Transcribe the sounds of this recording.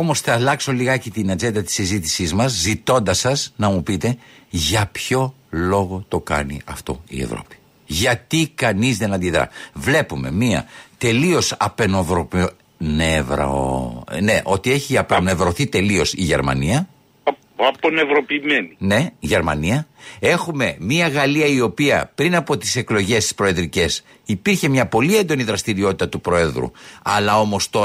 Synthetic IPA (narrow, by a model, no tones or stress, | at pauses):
omo̞sθɐːlɐkso̞liɣɐcet̪inɐd͡ʒe̞nd̪ɐt̪i̥sizit̪i̥sizmɐzːit̪o̞nd̪ɐsɐznɐmupit̪e̞ʝɐpço̞ | lo̞ɣo̞t̪o̞kɐ̰nḭɐ̰ft̪o̞̰ḭḛvɾo̞̰pi̥ | ʝɐt̪ikɐnizðe̞nɐnd̪iðɾɐ̰vle̞pume̞̰miɐ̰t̪e̞lio̞sɐpenovɾop | nevɾɐ̰one̞ʔo̞t̪ie̞çiɐpone̞vɾo̞θit̪e̞lio̞siʝe̞̰ɾmɐ̰niɐ | ɐponevɾo̞piːmenine̞iʝe̞ɾmɐ̰niɐe̞xume̞miɐɣɐliɐio̞piɐpɾinɐpo̞t̪i̥se̞klo̞ʝe̞st̪i̥spɾo̞e̞ðɾice̞s | ipiɾçe̞mɲɐpo̞lie̞nd̪o̞niðɾɐst̪iɾio̞t̪it̪ɐt̪upɾo̞e̞ðɾṵɐ̰lɐo̞mo̞st̪o̞